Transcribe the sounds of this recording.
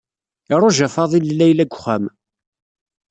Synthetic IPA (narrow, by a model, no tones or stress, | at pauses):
ɪɾˤʊʒæfɑðˤilːæjlæɡʷχæm